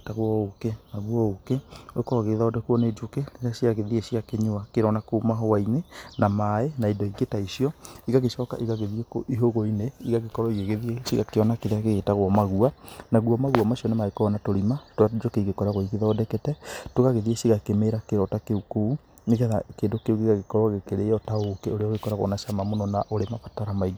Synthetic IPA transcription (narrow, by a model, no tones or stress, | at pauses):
taɣwɔokenaɣuwɔokeoekɔɔɣeðɔdɛkuɔned͡ʒokeneɣaɕiaɣeðieɕiakeɲoakeɾɔnakomaɦɔwainenamaenaidɔiɡetaiʃijɔiɣaɣeʃɔka̰ʔiɣaɣeðiekoʔiɦoɣoineiɣaɣekɔɾɔiɣeɣeðieɕiɣakeɔnakeðeaɣeɣetaɣwɔmaɣuanaɣuɔmaɣuamaʃiɔnemaɣekɔɔnatoɾimatoad͡ʒokeiɣekɔɾaɣoiɣeðɔːdɛkɛtɛtoɣaɣeðieʃiɣakemeːɾakeɾɔtakeukou | neɣɛðakeːndokeuɣeɣaɣekɔɾɔɣekeɾeɔtaokeoɾeɔɣekɔɾaɣɔ̰naʃamamonɔnaʔoɾemapataɾamaiɡ